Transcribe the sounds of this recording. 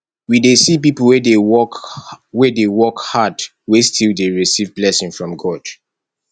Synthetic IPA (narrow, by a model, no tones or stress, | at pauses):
widesip̬ipəl̩ˠwɛdeɔkwɛdewɔkhad | westʰilˠdeɹisivblɛsɪ̃ŋfɹɔ̃mɡɔd̥